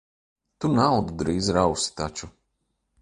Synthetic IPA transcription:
t̪unawd̪ud̪ɾiːzɾawsi̥t̪at͡ʃu

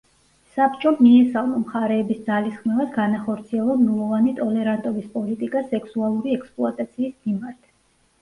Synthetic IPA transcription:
sapt͡ʃʼɔmiɛsalˠmɔmχaɾɛːbisd̪zalisχmɛvasɡanaχɔɾt̪sʰiɛlˠɔmnulˠɔvanit̪ʼɔlɛɾant̪ʼɔbispʼɔlit̪ʼikʼasɛksualˠuɾiɛkspʼlˠuat̪ʼat̪sʰiːsmimaɾt̪ʰ

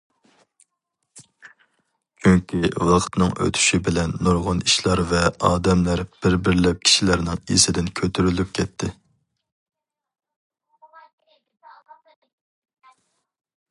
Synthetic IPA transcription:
t͡ʃʰyŋkʲiwɑqʰt̪nɨŋø̰t̪ʰy̥ʃibɪlɛnːuɾʁʊniʃlˠɑɾvɛɑːd̪ɛmlæɾb̥ɪɾbɪɾlɛp̚kʲʰi̥ʃilæɾnɪŋḭsɪd̪ɪnkʲʰøt̪ʰyɾylyp̚kʲʰɛt̪ʰːɪ

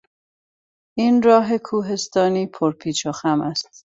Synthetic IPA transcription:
ʔiːnɾɒːɦe̞kʰuːɦe̞st̪ɒːniːpʰoɾpʰiːt͡ʃʰoxæmæst̪

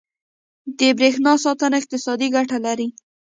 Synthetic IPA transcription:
d̪əbɾexnɑsɑt̪ənaɪq̚t̪ɪsɑd̪iɡaʈalaɾi

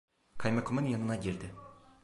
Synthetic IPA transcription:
kʰajmekʰomɯnjanɯnaɟiɾd̪ɪ

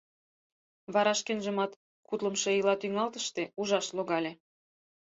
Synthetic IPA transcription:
βɑɾɑʃkenʒə̆mɑt̪ | kut̪ləmʃeilɑt̪yŋɑlt̪əʃt̪euʒɑʃloɣɑlʲe

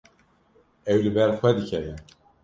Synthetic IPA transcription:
ɛwlɨbɛɾxwɛd̪ɨcʰɛjɛn

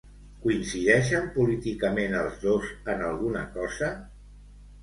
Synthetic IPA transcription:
kuinsiðɛʃəmpulit̪ikəmenəlˠzðozənəlˠɣunə̰kɔzə

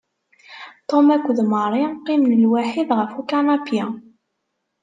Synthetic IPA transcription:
t̪omækʷːðməɾˤiqimnəlwaħiðʁəfukanɑpja

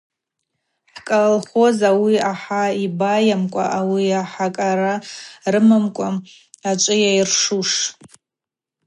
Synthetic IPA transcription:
ħkʼalalχozawiaħaibajamkʷʼa̰ʔawiaħakʼaɾarɨmɨmkʷʼa | at͡ʃʷʼɨjairʂuʂ

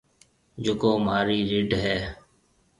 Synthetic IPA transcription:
d͡ʒʊkoːmɦaːɾiːɾiɖɦɛː

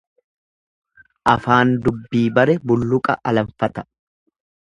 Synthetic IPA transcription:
ʔɐfaːnd̪ʊbːiːbɐɾɛbʊlːʊkʼɐʔɐlɐɱfɐt̪ɐ̥

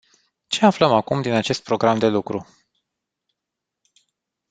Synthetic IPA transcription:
t͡ʃe̞afləmakumd̪inat͡ʃe̞st̪̚pɾo̞ɡɾamd̪e̞lukɾu

